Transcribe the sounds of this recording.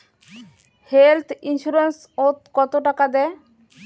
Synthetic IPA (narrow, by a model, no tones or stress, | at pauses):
helt̪ʰinsuɾens | ot̪kɔt̪oʈakad̪ɛ